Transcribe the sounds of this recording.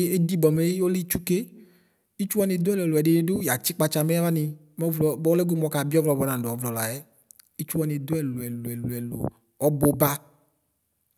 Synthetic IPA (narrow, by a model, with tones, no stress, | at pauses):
e˦di˦bɔ˨me˨˦o˦li˦t͡ʃu˦ke˦ | i˦t͡ʃu˦ɔ˦nĩ˨d̪o˦ɛ˦lɛ˨lo˨ɛ˨ɖe˨nĩ˨ɖo˦ja˨t͡ʃi˦k͡pa˨t͡ʃa˨me˦a˦va˦nĩ˨ | me˦vlɔ˨bɔ˦le˦ɡu˦mɔ˨ka˨bi˦ɔ˦vlɔ˨bɔ˨nã˨dɔ˨˦vlɔ˨la̰˨jɛ˦ | i˦t͡ʃu˦wa˨nĩ˨d̪o˦ɛ˨lo˨ɛ˨lo˨ɛ˨lu˨ɛ˨lo̰˨ | ɔ˦bo˨ba˦